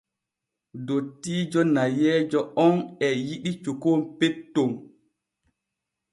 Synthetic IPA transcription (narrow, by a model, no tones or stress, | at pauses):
dotːiːd͡ʒɔnajɛːd͡ʒɔɔnɛjiɗit͡ʃukompetːom